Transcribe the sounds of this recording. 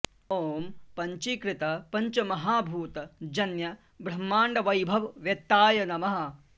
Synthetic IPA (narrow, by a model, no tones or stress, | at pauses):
oːmpɐɲt͡ʃikɾɪt̪ɐpɐɲt͡ʃɐmɐɦaːbʱuːt̪ɐd͡ʒɐnjɐ | bɾɐmːaːɳɖɐʋɐjbʱɐʋʋjɐt̪ːaːjɐnɐmɐɦɐ̆